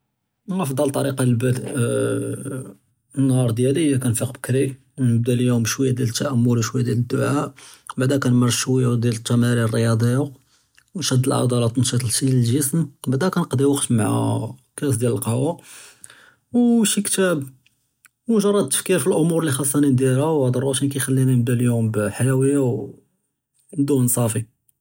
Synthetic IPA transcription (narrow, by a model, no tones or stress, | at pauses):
ɑfd̪ˤɑlt̪ˤːɑɾiqɑlbæd̪ | nːhɑɾˤd̪jæləjækænfiqbəkɾik | nəb̚d̪æljumʃwəjːæd̪jælət̪ːæʔæmːʊluʃwəjːad̪jæləd̪ːʊʕaʔbaʕd̪ækænmɑɾˤʃwəjːad̪jælət̪ːæmæɾirˤəjɑd̪ˤəjːa | wnʃæd̪ːəlʕɑ̰d̪ˤɑlɑt̪nʃit̪ˤlʃiləlʒəsmbaʕd̪ækænəqd̪iwəqt̪maʕæ̰kæs̬d̪jæləlqɑwa | wʃikt̪æb | wnʒɑrˤɑd̪̚t̪ːə̥fkiɾfilʔʊmuɾlixɑsˤːɑnind̪jælhæwʕd̪ˤɑɾˤɑʃinkæjxælːininəb̚d̪æljumbħajæwəjaw | d̪unsˤɑfi